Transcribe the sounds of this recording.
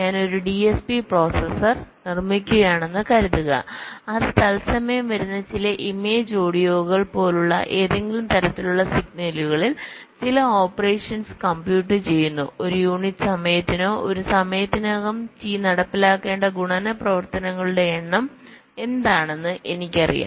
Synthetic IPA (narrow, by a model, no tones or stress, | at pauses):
ɲaːno̞ɾuɖiespipro̞ːsesɐrnirmikʲːuɣɐjaːɳe̞nːɨkɐɾɐðuɣɐ̰ɐðɨt̪ɐlsɐmɐjɐmʋɐɾunːɐt͡ɕilɐʔimeːd͡ʑo̞ːɽijo̞ːɣɐɭpo̞ːluɭːɐ̰ʔe̞ːðe̞ŋɡʲilumt̪ɐɾɐt̪ːiluɭːɐsiɡ̚nɐluɣɐɭil | t͡ɕilɐo̞ːpːɐre̞ːʂɐnskɐmbjuːʈːɨt͡ɕe̞jːunːuo̞ɾujuːɳiʈːɨsɐmɐjɐt̪ːino̞ːʔoɾusɐmɐjɐt̪ːinoɣɐmt͡ɕiːnɐɽɐpːilaːkːe̞ːɳɖɐɡuɳɐːnɐprɐʋɐrt̪ɐnɐŋːɐɭuɽe̞eɳːɐm | e̞nd̪aːɳe̞nːɨʔe̞nikʲːɐrḭja̰ː